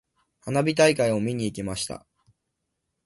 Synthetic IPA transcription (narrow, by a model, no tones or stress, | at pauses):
hanabʲit̪aikaio̞mʲiɲ̟iːkʲimaɕi̥t̪a̰